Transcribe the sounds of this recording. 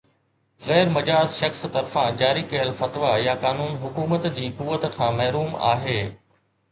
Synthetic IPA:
ɣɛːɾmɐd͡ʑaːzʃɐxst̪ɐɾfãd͡ʑaːɾikɐjəlfɐt̪ʋajakaːnuːnɦʊkuːmət̪d͡ʑiːkuːʋət̪kʰãːmɐɦɾuːma̰ːɦeː

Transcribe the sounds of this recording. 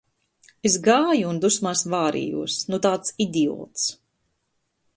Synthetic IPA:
es̬ɡaːjuːnd̪usmasvaːɾḭːjṵɔsnut̪aːt̪sid̪iɔ̰ːt̪s

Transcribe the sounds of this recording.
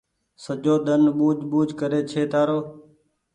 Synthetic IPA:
səd͡ʒoːɗ̪ənɓuːd͡ʒɓuːd͡ʒʱkəɾeːt͡ʃʰeːt̪aːɾoː

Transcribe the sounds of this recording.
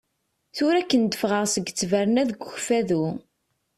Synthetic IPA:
θʊɾækːənd̪əfʁəʁsəɡt͡sːvæɾnæðɡʷəçfæðu

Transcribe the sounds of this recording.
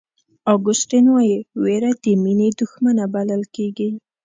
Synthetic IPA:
ɑɡʊsʈinwajiweɾad̪̥əmined̪ʊxmanabaləlkeɡi

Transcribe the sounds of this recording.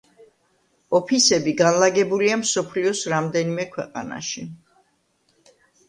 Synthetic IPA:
ɔpʰisɛbiɡanlaɡɛbuliamsɔpʰliɔsɾamd̪ɛnimɛkʰwɛqʼa̰na̰ʃi

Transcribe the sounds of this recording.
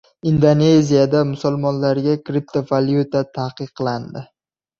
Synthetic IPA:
ind̪one̞zijad̪amʊsʊlˠmɒnlaɾɡʲakɾip̚t̪ʰovaljut̪at̪ʰaqɨqʰːlˠand̪ɪ

